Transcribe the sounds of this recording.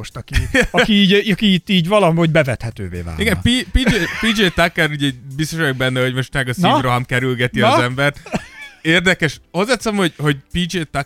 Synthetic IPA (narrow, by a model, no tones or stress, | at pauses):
oʃt̪ɒkiɒkiiːɒkiit̪ːiːɟvɒlɒɦomhoɟbɛvɛt̪hɛt̪ø̰ːvḛːva̰ːliɡɛmpipid͡ʒepid͡ʒeːt̪akːɛɾuɟɛbist̪oʃjoɡ̚bɛnːɛho̞ɟmo̞ʃt̪mɛɡɒsivroɦɒmkɛɾylɡɛt̪iɒzɛmbɛrt̪eːrd̪ɛkɛʃɒzɛt̪sɛmho̞ɟho̞ɟpid͡ʒeːt̪a